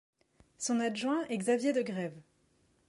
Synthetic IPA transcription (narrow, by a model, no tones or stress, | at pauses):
sɔ̃naʒwɛ̃ʔɛɡzavjed̪əɡʁɛv